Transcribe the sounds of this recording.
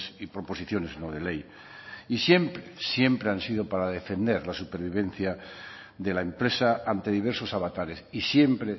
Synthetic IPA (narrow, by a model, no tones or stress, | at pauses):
sipɾo̞po̞siθjo̞ne̞znoðe̞le̞j | isje̞mpɾesje̞mpɾeansiðo̞paɾaðe̞fe̞nd̪e̞ɾlasupeɾβ̞iβ̞ẽ̞nθja | ðe̞laempɾe̞saant̪e̞ðiβ̞e̞ɾso̞saβat̪aɾe̞sisje̞mpɾe